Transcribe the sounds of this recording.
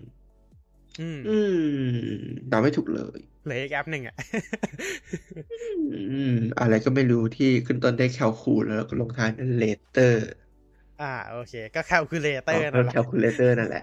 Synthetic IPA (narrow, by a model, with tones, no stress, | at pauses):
ʔɯː˧˩mʔɯː˧m | daː˧˩˦ma˥˩jt̪ʰu˨˩k̚lɤ̰ː˧˦j | lɯː˨˦ʔi˨˩k̚ʔɛ˦˥p̚nɯ˨˩ŋʔa˨˩ʔ | ʔɯː˧˩ʔɯː˧˩m˩ʔa̰˧ɾa˧jkɔː˥˩ma˥˩jɾuː˦˥t̪ʰiː˥˩kʰɯ˥˩nt̪o˥˩ndaː˥˩jkʰɛ˧˩wkʰuː˧˩lʔɛː˦˧˥lɛː˧˩kɔː˥˩lo˧ŋt̪ʰaː˧jna˥˩leː˧˥t̪ɤː˥˩ | ʔaː˧˩ʔoː˧kʰeː˧kɔː˥˩kʰɛ˧˩wkʰɯː˧leː˧t̪ɤ˥˧˩na˥˩kʰɛ˧wkʰuː˧leː˧˥t̪ɤː˥˩na˥˩nlɛ̰˨˩ʔ